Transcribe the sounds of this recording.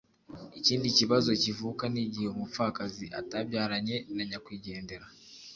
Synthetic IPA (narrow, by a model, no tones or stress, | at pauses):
iciːndiciβazo̞civukaniɟiheumufakaziʔa̰taβjaːɾaɲe̞naɲakwiːɟe̞ːnde̞ɾa